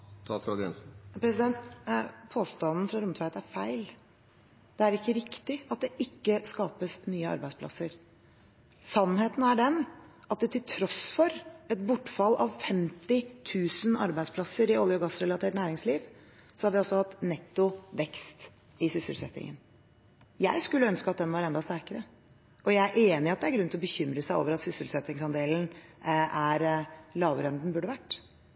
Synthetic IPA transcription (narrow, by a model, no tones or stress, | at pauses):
t̪ʰɑt̪ɾɑd̪ɪɛ̰nsn̩pʰɾɛsɪd̪ɛnt̪pʰoːst̪ɑnn̩fɾɑɾʊmt̪ʰʋɑt̪æɾfæɪl | d̪̥ɛæɾɪkːəɾɪkt̪ɪɑt̪̚d̪ɛʔɪkːəskɑːpəsnyːəɑ̰ɾbæɪspʰlɑ̰səɾ | sɑnːheːt̪n̩æɖɛn | ɑt̪̚d̪ɛt̪ʰɪlt̪ʰɾɔsfɔɾɛt̪bʊʈːfɑlːɑ̰ʋfɛmt̪ɪt̪ʰʉːsən̩ɑ̰ɾbæɪdspʰlɑsəɾɪɔljɔɡɑsɾɛlɑt̪ʰeːʈnæːɾɪŋsliːʋ | sɔhɑɾʋɪɔsɔhɑt̪nɛt̪ːʊʋɛkst̪ | ɪsʏsəlsɛt̪ɪ̰ŋə̰n | jæɪskʉlːəœnskɑt̪̚d̪ɛnʋɑɾɛnd̪ɑst̪æɾkəɾə | ɔjæɪæɾʔeːnɪɑt̪d̪ɛæɾɡɾʉnt̪ɪlɔbəçʏmɾəsæɪo̰ːʋəɾɑt̪sʏsəlsɛt̪ːɪŋsɑnd̪eːln̩ | æɾlɑːʋɾɛnd̪n̩bʉɖəʋæʈː